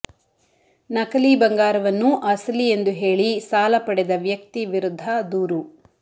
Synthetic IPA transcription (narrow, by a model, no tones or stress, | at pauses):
nɐkɐliːbɐŋɡaːɾɐʋɐnːuʔɐslie̞nd̪uɦe̞ːɭisaːlɐpɐɽɛd̪ɐʋjɐk̚t̪iʋiɾud̪ʱːɐd̪uːɾu